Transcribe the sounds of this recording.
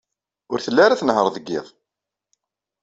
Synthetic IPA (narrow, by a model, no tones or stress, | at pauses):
ʊɾθəlːaɾaθənɦəɾˤðəɡːɪ̰ðˤ